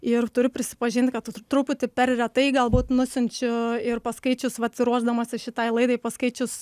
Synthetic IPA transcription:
ɪrt̪ʊɾʲʊpʲɾʲɪsʲɪ̥pɐʒʲɪnʲt̪ʲkɐt̪t̪ɾupʲʊt̪ʲɪpʲɛrrʲɛt̪ɐɪɡɐlˠbuːt̪nʊsʲʊnʲt͡ʃʲʊɪrpɐskɐɪt͡ʃʲʊsʋɐt̪sɪɾuɔʒd̪ɐmɐːsʲɪʃʲɪt̪ɐɪlˠɐɪd̪ɐɪpɐskɐɪt͡ʃʲʊs

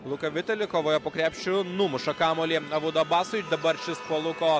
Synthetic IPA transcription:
lˠʊkɐʋʲɪt̪ʲɛlʲɪkoːʋoːjɛpoːkɾʲæːpʲʃʲt͡ʃʲʊnʊmʊʃɐkɑːmoːlʲiːɐʋʊd̪ɐbɑːsʊjd̪ɐbɐɾʲt͡ʃʲɪspoːlˠʊkoː

